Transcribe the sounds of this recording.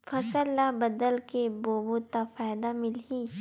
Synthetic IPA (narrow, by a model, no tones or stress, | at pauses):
fɐsəlːabɐd̪əlkeboːbot̪afaːjd̪amɪlɦiː